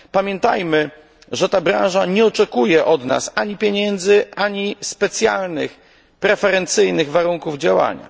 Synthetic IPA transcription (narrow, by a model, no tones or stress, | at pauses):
pamʲjɛnt̪a̰jmɘ | ʐɛt̪abɾã̰ʐaɲɛɔt͡ʂɛkujɛʔɔd̪na̰saɲipʲjeɲɛnd̪zɘʔaɲispɛt̪sʲja̰lnɘ̰x | pɾɛfɛɾɛnt̪sɘjnɘɣvaɾuŋkuvd͡ʑawa̰ɲa̰